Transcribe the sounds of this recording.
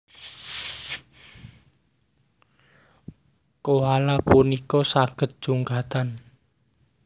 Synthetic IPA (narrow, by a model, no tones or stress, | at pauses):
koɦalapunikɔsaɡ̥ə̤t̪̚d̥ʒ̥uŋkat̪an